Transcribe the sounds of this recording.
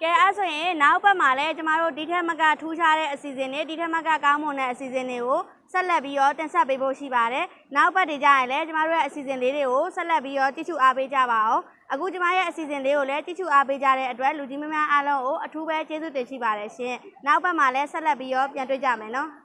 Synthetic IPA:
kɛ˨ʔa˦so˨jɪ̃˨na˦ʊʔbɛ˦ʔm̥a˨lɛ˦t͡ɕə˦ma˦˨ɾo̰˦˨di˨tʰɛ˦mə˦kä̰˦˨tʰu˦ʃʰa˦ɾɛ̰˦˨ʔəsi˨zɪ̃˨nde˨di˨tʰɛ˦˨mə˦ka̰˦˨kã˦ʊ̃mõ˨nɛ̰˦˨ʔəsi˨zɪ̃˨nde˨ɡo˨ | sɛ˦ʔlɛ˦˨pːji˦ɾɔ˦t̪ɪ̃˨nsʰɛ˦pːe˦bo̰˦˨ʃḭ˦˨ba˨ɾɛ˨ | na˦ʊʔbɛ˦ʔtːe˨d͡ʑa̰˦˨jɪ̃˨lɛ˦t͡ɕə˦ma˦˨ɾo˦jɛ˦˨ʔəsi˨zɪ̃˨nle˦de˨ɡo˨sɛ˦ʔlɛ˦p̬ːji˦ɾɔ˦˨t͡ɕḭ˦˨ʃṵ˦˨ʔa˦pe˦d͡ʑä̰˦˨ba˨ʔõ˨ʊ̃ | ʔəɡṵ˦˨t͡ɕə˦ma̰˦˨jɛ̰˦˨ʔəsi˨zɪ̃˨nle˦ɣo˨lɛ˦t͡ɕḭ˦˨ʃṵ˦˨ʔa˦pe˦d͡ʑa̰˦˨ɾɛ̰˦ʔət̬wɛ˦ʔlu˨d͡ʑĩ˦mu˦mja˦ʔa˦lõ˦ʊ̃ŋo˨ʔətʰu˦bɛ˦t͡ɕe˦zṵ˦˨t̪ɪ̃˨ʃḭ˦˨ba˨ɾɛ˨ʃɪ̰̃˦˨na˦ʊʔbɛ˦ʔma˨lɛ˦sɛ˦ʔlɛ˦pːji˦ɾɔ˦˨pjã˨nt̬wḛ˦˨t͡ɕä̰˦˨mɛ̃˨nɔ˦

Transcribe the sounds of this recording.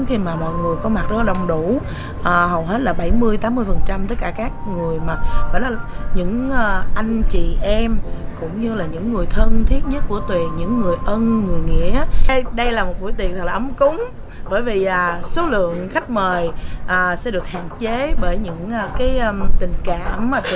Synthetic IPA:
xi˧maː˨˩mɔ̰˧˨jŋɨ˨˩əjkɔ˨˦ma˨˩t̚ɗɔ˨˦˧ɗə˨˩wŋ͡mɗu˧˩ | ʔəː˨˩ɦə˨˩wɦe˦˥t̚laː˨˩ɓa˧˩jmɨ˧əjt̪aː˨˦mːɨ˧əjfə˨˩nt͡ɕa˧mt̪ə˦˥t̚kaː˧˩kaː˦˥k̚ŋɨ˨˩əjmaː˨˩vɔ̰˧˨jlaː˨˩ɲɨ̰˧˥ŋː˨˩ʔa˧jŋ̟t͡ɕḭ˨ʔɛ˧mkʊ̰˧˥wŋ͡mɲɨ˧laː˨˩ɲɨ̰˧˥ŋːɨ˨˩əjt̪ʰə˧nt̪ʰi˦˥ət̚ɲə˦˥t̚ku˧˩ət̪wi˨˩ɲɨ̰˧˥ŋːɨ˨˩əjʔə˧nŋɨ˨˩əjŋḭ˧˨˥ə˧ɗə˧jlaː˨˩mo˨˩t̚ɓu˧˩˦t̪i˨˩t̪ʰə˨˩laː˨ə˨˦mkʊ˨˦ŋ͡m | ɓəː˧˩jvi˨˩ʔaː˨˩so˨˦lɨ̰˧˨əŋxa˦˥jk̟̚məː˨˩jʔəː˨˩sɛ̰˧˥ɗɨ˨˩ək̚ha̰ː˧˨nt͡ɕe˨˦ɓəː˧˩jɲɨ̰˧˥ŋː˨˩kaː˨˦jt̪ï˨˩ŋ̟kaː˧˨mːaː˨˩t̪

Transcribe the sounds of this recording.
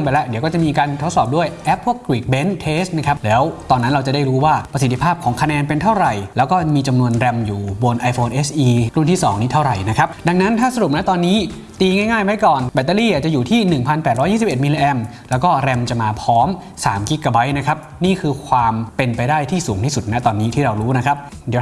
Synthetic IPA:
ŋpa˧jlɛ˦˥di˩˦wkɔː˥˩t͡ɕa˨˩miː˧kaː˧nt̪ʰo˦˥t̪̚sɔː˨˩p̚du˥˩əjʔɛ˦˥p̚ʰːu˥˩əkːwiː˨˩k̚be˦˥nt̪ʰeː˦˥st̪̚na˦˥kʰa˦˥p̚lɛː˦˥wt̪ɔː˧nːa˦˥nɾa˧wt͡ɕa˨˩da˥˩jɾuː˦˥waː˥˩pɾa˧si˨˩t̪ʰːi˦˥pʰaː˥˩p̚kʰɔː˩˦ŋkʰa˧nɛː˧npe˧nt̪ʰa˥˩wɾa˨˩jlɛː˦˥wkɔː˥˩miː˧t͡ɕa˧mnu˧ənɾɛ˧mjuː˨˩bo˧nʔa˧jfʰoː˧nʔe˦˥sʔiː˧ɾu˥˩nt̪iː˥˩sɔː˩˦ŋt̪iː˥t̪ʰa˥˩wɾa˨˩jna˦˥kʰa˦˥p̚da˧ŋna˦˥nt̪ʰaː˥˩sa˧ɾu˨˩p̚nɛ˦˥t̪ɔː˧nːiː˦˥ | t̪iː˧ŋaː˥˩jŋaː˥˩jwa˦˥jkɔː˨˩nbɛ˨˧˩t̪ːaː˧liː˥˩ʔaː˨˩t͡ɕa˨˩juː˨˩t̪ʰiː˥˩nɯ˨˩ŋpʰa˧npɛː˨˩ɾɔː˦˥jiː˥˩si˨˩pʔe˨˩t̪mi˧li˧ʔɛ˧m | lɛː˦˥wkɔː˥˩ɾɛ˧mt͡ɕa˨˩maː˧pʰɔː˦˥m | saː˩˦mki˦˥kːa˧˩ba˦˥jna˦˥kʰa˦˥p̚niː˥˩kʰɯː˧kʰwaː˧mpe˧npa˧jdaː˥˩jt̪ʰiː˥˩suː˩˦ŋt̪ʰiː˥˩su˨˩t̪̚na˦˥t̪ɔː˧nːiː˦˥t̪ʰiː˥˩ɾa˧wɾuː˦˥na˦˥kʰa˦˥p̚ | di˩˦

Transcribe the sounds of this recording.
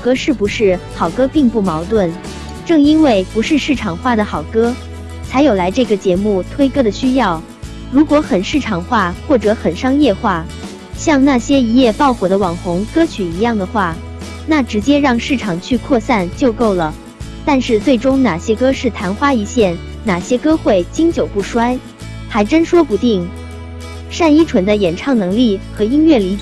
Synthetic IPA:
kɤ˥ʂɻ̩˥˩bu˧˥ʂɻ̩˥˩xɑ˨˩ʊkɤ˥pi˥˧ŋpu˥˩mɑ˧˥ʊt̪wə˥˩n | ʈ͡ʂɤ˥˩ŋi˥nwe˥˩ɪpu˧˥ʂɻ̩˥˧ʂɻ̩˥˩ʈ͡ʂʰɑ˨˩ŋxwa˥˩d̪ə˩xɑ˨˩ʊkɤ˥ | t͡sʰa˧˥ɪjo˨˩ʊla˧˥ɪʈ͡ʂɤ˥˩ɡə˩t͡ɕjɛ˧˥mu˥˩t̪ʰwe˥ɪkɤ˥d̪ə˨˩ɕy˥jɑ˥˩ʊ | ɻu˧˥kwɔ˧˥xə˨˩nʂɻ̩˥˩ʈ͡ʂʰɑ˨˩ŋxwa˥˧xwɔ˥˩ʈ͡ʂɤ˧˥xə˨˩nʂɑ˥ŋjɛ˥˧xwa˥˩ | ɕjɑ˥˧ŋna˥˩ɕjɛ˥i˧˥jɛ˥˧pɑ˥˩ʊkwɔ˨˩d̪ə˦wɑ˨˩ŋxʊ˧˥ŋkɤ˥t͡ɕʰy˨˩i˧˥jɑ˥˩ŋd̪ə˩xwa˥˩ | na˥˩ʈ͡ʂɻ̩˧˥t͡ɕjɛ˥ɻɑ˥˧ŋʂɻ̩˥˩ʈ͡ʂʰɑ˨˩ŋt͡ɕʰy˥˧kʰwɔ˥˧sa˥˧nt͡ɕjo˥˧ʊko˥˩ʊlə˩ | t̪a˥˧nʂɻ̩˥˧t͡swe˥˩ɪʈ͡ʂʊ˥ŋna˨˩ɕjɛ˥kɤ˥ʂɻ̩˥˩t̪ʰa˧˥nxwa˥i˧˥ɕjɛ˥˩n | na˨˩ɕjɛ˥kɤ˥xwe˥˩ɪt͡ɕi˥ŋt͡ɕjo˨˩ʊpu˥˩ʂwa˥ɪ | xa˧˥ɪʈ͡ʂə˥nʂwɔ˥pu˧˥t̪i˥˩ŋ | ʂa˥˧ni˥ʈ͡ʂʰwə˧˥nd̪ə˧jɛ˨˩nʈ͡ʂʰɑ˥˩ŋnɤ˧˥ŋli˥˩xɤ˧˥i˥nɥɛ˥˩li˧˥˨

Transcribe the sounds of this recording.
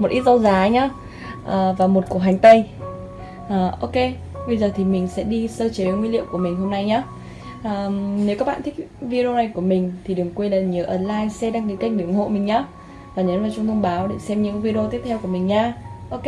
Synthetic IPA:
mo˨˩t̚ʔi˦˥t̚zə˧wzaː˨˦ɲaː˨˧˦ | ʔəː˨˩vaː˨˩mo˨˩t̚ku˨˩əɦa˨˩jŋ̟t̪ə˧j | ʔəː˨˩ʔo˧ke˧ | ɓə˧jzəː˨˩t̪ʰi˨˩mï˨˩ŋ̟sɛ̰˧˥ɗi˧səː˧t͡ɕe˨˦˨ŋwi˧lḭ˧˨əwku˧˩əmï˨˩ŋ̟ɦo˧mna˧jɲaː˨˦ | ʔəː˨˩ne˨˦wkaː˦˥k̚ɓ̰a̰ː˧˨t̪ï˦˥k̚vi˧e˧o˧na˨˩jku˧˩əmï˨˩ŋ̟t̪ʰi˨˩ɗɨ˨˩əŋkwe˧jlaː˨˩ɲi˨˩əwʔəː˧˩nlaː˧jsɛ˧ɗaː˧ŋki˨˦ka˧˦˥ŋ̟̚ɓi˧˩əŋho̰˧˨mï˨˩ŋ̟ɲaː˨˦ | vaː˨˩ɲəː˨˦nvaː˨˩wt͡ɕʊ˧wŋ͡mt̪ʰə˧wŋ͡mɓaː˨˦wɗe˧˩sɛ˧mɲɨ̰˧˥vi˧ɗo˧t̪i˦˥əp̚t̪ʰwku˧˩əmï˨˩ŋ̟ɲaː˨˧˦ʔo˧

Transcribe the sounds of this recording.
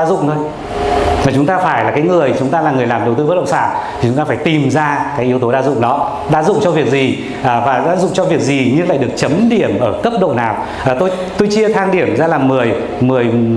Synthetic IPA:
a˧zʊ̰˧˨ŋ͡mt̪ʰo˧j | vaː˨˩t͡ɕʊ˨˦ŋ͡mt̪aː˧faː˧˩jlaː˨˩kaː˨˦jŋɨ˨˩əjt͡ɕʊ˨˦ŋ͡mt̪aː˧laː˨˩ŋɨ˨˩əjlaː˨˩mɗə˨˩wt̪ɨ˧və˦˥ɗə̰˧˨ŋ͡msaː˧˩nʰi˨t͡ɕʊ˨˦ŋ͡mt̪aː˧faː˧˩jt̪i˨˩mzaː˧kaː˨˦jʔəwt̪o˨˦ɗaː˧zʊ̰˧˨ŋ͡mɗɔ˨˦ | ɗa̰ː˧˥zʊ̰˧˨ŋ͡mt͡ɕɔ˧vi˨˩ək̚zi˨˩ | ʔːvaː˨˩ɗa̰ː˧˥zʊ̰˧˨ŋ͡mt͡ɕɔ˧vi˨˩ək̚zi˨˩ɲɨ˧ŋla̰ː˧˨jɗɨ˨˩ək̚t͡ɕə˨˦mɗi˧˩əmʔəː˧˩kə˦˥p̚ɗo̰˧˨naː˨˩w | ʔːt̪o˧j | t̪o˧jt͡ɕi˧ət̪ʰaː˧ŋɗi˧˩əmzaː˧laː˨˩mɨ˨˩əj | mɨ˨˩əj

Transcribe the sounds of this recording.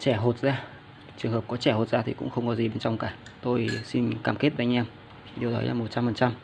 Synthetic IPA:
t͡ɕɛ˧˩ɦo˨˩t̚zaː˧ | t͡ɕɨ˨˩əŋɦəː˨˩p̚kɔ˨˦t͡ɕɛ˧˩ho˨˩t̚zaː˧i˨˩kʊ̰˧˥ŋ͡mxə˧wŋ͡mkɔ˨˦zi˨˩ɓe˧˦nt͡ɕɔ˧wŋ͡mkaː˧˩ | t̪o˧jsi˧nkaː˧˩mke˦˥t̚vʔŋ̟ʔɛ˧mʰ˨˩ | ɗi˨˩əɗɔ̰˨˦jlaː˧˩mo˨˩t̚t͡ɕa˧mfə˨˩nt͡ɕa˧m

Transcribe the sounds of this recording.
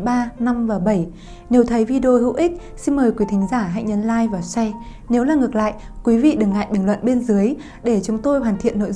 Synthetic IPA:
ɓaː˧na˧mvaː˨˩ɓə˧˩j | ne˨˦wt̪ʰə˨˦jvi˧ɗo˧ɦɨ̰˧˥wʔi˦˥k̚ | si˧nməː˨˩jkwi˨˦t̪ʰï˨˦ŋ̟zaː˧˩ɦa̰˧˨ŋ̟ɲə˧nlaː˧jvaː˨˩wsɛ˧ | ne˨˦wlaː˨˩ŋɨ˨˩ək̚la̰ː˧˨j | kwi˨˦vḭ˧˨ɗɨ˨˩ŋla̰ː˧˨jɓi˧˩ŋlwə̰˧˨nɓe˧ənzɨ˨˦əj | ɗe˧˩t͡ɕʊ˨˦ŋ͡mt̪o˧jɦwaː˨˩nt̪ʰḭ˧˨ənːo̰˧˨

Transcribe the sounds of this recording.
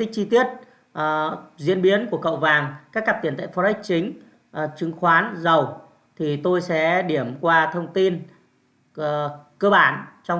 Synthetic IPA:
tï˦˥k̚t͡ɕi˧t̪i˦˥ət̚ | ʔzḭ˧ənɓi˨˦ənku˧˩əkə̰˧˨wvaː˨˩ŋkaː˦˥k̚ːaː˦˥t̪i˧˩ənt̪a̰˧˨˩fɔ˧˩a˦˥k̟̚t͡ɕï˨˦ŋ̟˨˩ | t͡ɕɨ˨˦ŋxwaː˨˦nzə˨˩w | t̪ʰi˨˩t̪o˧jsɛ̰˧˥ɗi˧˩əmkwaː˧t̪ʰə˧wŋ͡mt̪i˧nː˨˩ | kəː˧ɓaː˧˩nt͡ɕɔ˧wŋ͡m

